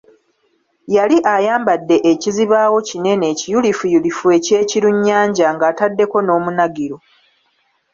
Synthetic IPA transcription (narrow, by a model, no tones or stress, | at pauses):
jaliʔajaːmbadːe̞ʔeciziβaːwo̞cine̞ne̞ːcijulifujulifue̞ːce̞ːciɾuɲːaːɲɟaŋɡaːtadːe̞ko̞no̞ːmunaɡiɾo